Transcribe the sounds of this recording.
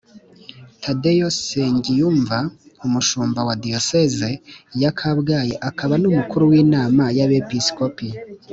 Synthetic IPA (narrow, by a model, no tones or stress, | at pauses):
tʰadejoseɲɟijuːɱvaumuʃuːmbawadijosezejakʰabɡaːjeʔakʰaβanumukuɾuwiːnaːmajaβepiskopi